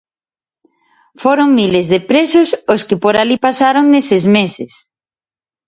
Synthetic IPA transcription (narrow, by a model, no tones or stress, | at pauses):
foɾoŋmilezðepɾesʊsoskɪpoɾalipasaɾoŋnesezmesɪs